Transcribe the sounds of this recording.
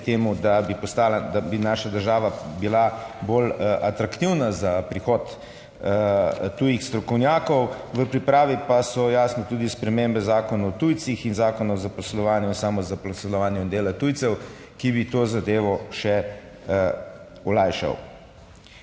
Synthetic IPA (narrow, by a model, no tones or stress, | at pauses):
t̪eːmud̪abipɔst̪aːlad̪abinaːʃad̪əɾʒaːʋabilabolʔat̪ɾakt̪iwnazapɾixɔːt̪ | ujixst̪ɾɔkɔwnjaːkɔw | ʋəpɾipɾaːʋipasɔjaːsnɔt̪uːd̪ispɾɛmembɛzaːkɔnaɔt̪ujt̪sixinzaːkɔnɔwzapɔslɔʋaːnjuinsaːmɔzapɔslɔʋaːnjuind̪eːlat̪ujtsɛw | kibit̪oːzad̪eːʋɔʃɛ | ɔlajʃa̰w